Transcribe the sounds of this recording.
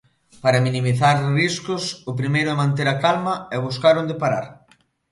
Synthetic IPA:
paɾɐminimiθaɾriskʊsʊpɾimejɾʊɛmãnt̪̬eɾakalmɐɛβuskaɾond̪epaɾaɾ

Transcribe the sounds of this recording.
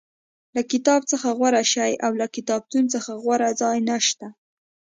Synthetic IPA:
lakɪt̪ɑbt͡səxaɣwaɾaʃajawlakɪt̪ɑb̚t̪unt͡səxaɣwaɾad͡zɑjnaʃt̪a

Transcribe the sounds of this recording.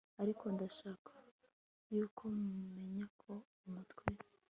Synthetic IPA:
aɾikʰo̞ndaʃaːkḁ | juːkʰomume̞ɲakʰo̞ | umutwe

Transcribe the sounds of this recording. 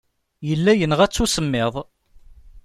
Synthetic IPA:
jəlːæjənʁæt͡sːusəmːɪðˤ

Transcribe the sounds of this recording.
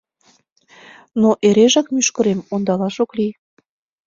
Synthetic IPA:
noʔeɾeʒɑkmyʃkə̆ɾemond̪ɑlɑʃoklij

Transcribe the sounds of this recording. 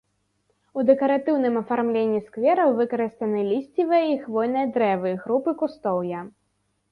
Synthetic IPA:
ud̪ɛkɐɾat̪ɨwnɨmɐfarmlʲenʲːiskvʲɛɾɐwvɨkɐɾɨst̪ɐnɨlʲisʲt͡sʲivɨjɐixvɔjn̪ɐjɐd̪ɾɛvɨɣɾupɨkust̪ɔwjɐ

